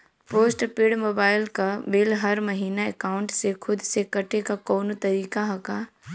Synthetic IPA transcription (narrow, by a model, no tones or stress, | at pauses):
poːsʈpɪɽmoːbaːɪlkabɪlɦɐɾmɐɦiːnaekaːʊ̃ɳʈsekʰʊd̪sekɐʈekakɔːnot̪ɐɾiːkaɦɐkaː